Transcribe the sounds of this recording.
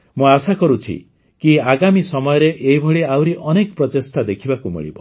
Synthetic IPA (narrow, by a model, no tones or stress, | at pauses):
mũasakɔɾut͡ʃʰḭ | kiaɡamisɔmɔjɔɾeʔeɦibʱɔɭiawɾiʔɔnekɔpɾɔt̪est̪ad̪ekʰibakumḭɭḭbɔ